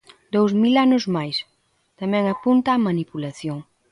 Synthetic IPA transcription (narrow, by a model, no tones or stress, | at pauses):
d̪owzmilanʊzmajs | t̪amɛ̃ŋapunt̪aːmanipulaθjoŋ